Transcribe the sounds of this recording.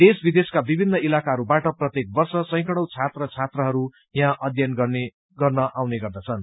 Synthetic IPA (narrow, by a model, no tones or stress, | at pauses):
d̪esbid̪eskabibʱinːʌilakaɦʌɾubaʈʌprʌt̪jek̚bʌrsʌsʌ̃j̃kʌɽ̃ʌwt͡sʰat̪rʌt͡sʰat̪rʌɦʌɾu | jãʔʌd̪ʱjʌnɡʌe | ɡʌrnʌʔawneɡʌrd̪ʌt͡sʰʌn